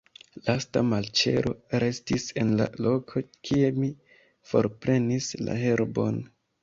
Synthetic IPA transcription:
lastamalt͡ʃe̞̰ɾʔo̞ɾe̞stise̞nla̰lo̞kʰo̞kʰie̞mi | fo̞̰ɾpɾe̞nisla̰ɦe̞ɾbo̞̰n

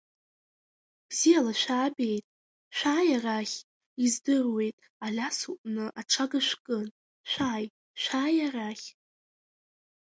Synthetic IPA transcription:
b̥zijalaʃʷᶣaːbe̞jtʼ | ʃᶣʷaːjaraχʲ | izdɨrwe̞jtʼ | alʲasuʔʼnɨʔaʈ͡ʂʰaɡaʃʷkʼɨn | ʃʷaːj | ʃʷaːjaraχʲ

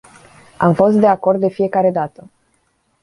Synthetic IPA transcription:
amfo̞st̪d̪eako̞rd̪̚d̪e̞fije̞kaɾe̞d̪at̪ə

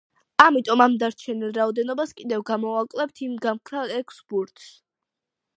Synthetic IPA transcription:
amit̪ʼɔmamd̪aɾt͡ʃʰɛnilˠɾaɔd̪ɛnɔbaskʼid̪ɛvɡamɔakʼlɛp̚t̪ʰimɡamkʰɾaɛkʰsbuɾt̪ʰs

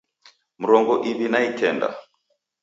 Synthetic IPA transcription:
m̩ɾɔŋɡɔʔiβinaitʰɛnda̰

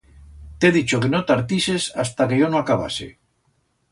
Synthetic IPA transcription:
t̪eðit͡ʃokenot̪aɾt̪isesast̪akejonõakaβ̞a̰sḛ

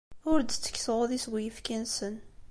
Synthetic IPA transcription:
ʊɾd̪t͡sːə̥kːsʁoðiswijəfkænsən

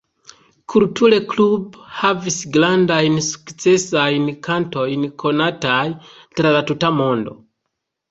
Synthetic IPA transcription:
kʰultule̞klubhavisɡlandajnsu̥kt͡se̞sajnkanto̞jnkʰo̞nataj | tɾalatutamo̞ndo̞̰

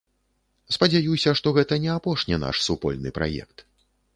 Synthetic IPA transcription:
spɐd͡zʲajusʲɐʂt̪ɔɣɛt̪ɐnʲɛapɔʂnʲina̰ʂsupɔ̰lʲnɨpɾa̰jɛ̰kt̪

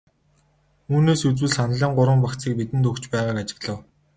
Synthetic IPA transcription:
uːneːsut͡swɘ̆ɮsanɮiːɴɢʊɾwə̆mpakt͡siːk̚pit̪ɘ̆nt̪ɵkt͡ɕpæːʁaːkat͡ɕɪ̥̆ɣɮə̆w

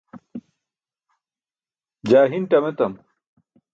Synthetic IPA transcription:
d͡ʑaːɦinʈɐmet̪ɐm

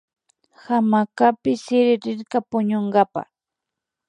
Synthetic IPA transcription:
hamakapɪsɪɾɪɾɪɾkapʊɲoɴɢapa̰

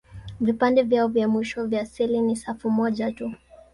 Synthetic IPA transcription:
vipandɛvjaɔvjamwiʃɔvjaːsilinisafumɔʄatu

